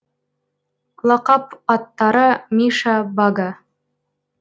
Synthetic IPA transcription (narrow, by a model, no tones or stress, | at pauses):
lˠɑqɑpɑt̪ːɑɾɤmʲiʃɑbɑɡɑ